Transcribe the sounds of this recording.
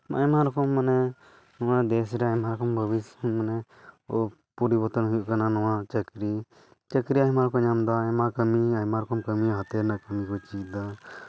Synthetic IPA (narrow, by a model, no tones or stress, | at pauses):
ma̰jmaɾɔkɔmːanɛ | nɔwad̪ɛsɾɛajmaɾɔkɔmbʱəbismanɛ | ɔ | pɔɾibəɾt̪ənɦujuʔkananɔwat͡ʃəkɾi | t͡ʃəkɾiajmaɾkɔɲamd̪ajmakəmiajmaɾɔkɔmkəmiaɦat̪ɛɾnaʔkəmikɔt͡ʃid̪a